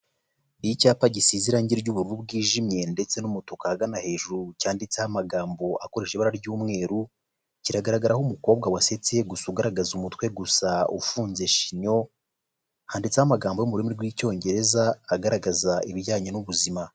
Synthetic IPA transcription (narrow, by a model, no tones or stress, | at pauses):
icaːpaɟisiːziɾaɲɟiɾɟuβuɾubɡiːʒimɲe̞nde̞t͡se̞numutokahaɡanahe̞ːʒuɾucaːndit͡sehamaɡaːmbo̞ako̞ɾe̞ʃeβaɾaɾjuːmŋe̞ːɾu | ciɾaɡaɾaɡaɾahumuko̞ːb̚ɡawase̞t͡se̞ɡusuɡaɾaɡazumutwe̞ɡusaṵfuːnze̞ʃi̥ɲo̞ | haːndit͡sehamaɡaːmbo̞jumuɾimiɾɡwiːco̞ːɲɟe̞ɾe̞zaːɡaɾaɡazaiβɟaːɲinuβuzima